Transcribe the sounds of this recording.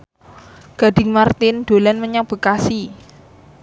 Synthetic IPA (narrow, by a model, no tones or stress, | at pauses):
ɡ̥a̤ɖ̪̥ɪ̤ŋmart̪ɪnd̪̥o̤lanməɲab̥ə̤kasi